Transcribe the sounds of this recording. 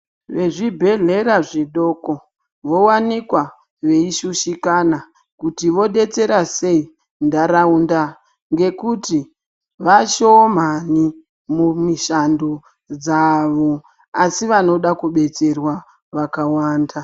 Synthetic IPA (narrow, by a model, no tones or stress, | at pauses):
ʋe̞ʐibʱe̞ɮe̞ɾaʐiɗo̞ko | ʋo̞wanikwa | ʋe̞iʃuʃikana | kutiʋo̞ɗe̞t͡se̞ɾase̞i | ndaɾaunda | ŋɡe̞kuti | ʋaʃomani | mumiʃandu | d͡zaʋo̞ | asiʋano̞ɗakuɓe̞t͡se̞rwa | ʋakawaːnda